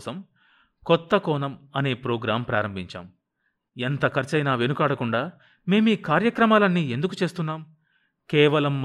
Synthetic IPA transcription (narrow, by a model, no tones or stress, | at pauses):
sɐm | kɔt̪ːɐkɔːnɐmɐne̞ːpɾɔːɡɾaːmpɾaːɾɐmbʱiɲt͡ʃa̰ːm | ent̪ɐkʰɐɾt͡ʃɐjnaːʋenukaːɽɐkuɳɖaː | me̞ːmiːkaːɾjɐkɾɐmaːlɐnːiːe̞nd̪ukut͡ʃe̞ːst̪unːaːm | kɛːʋɐlɐmː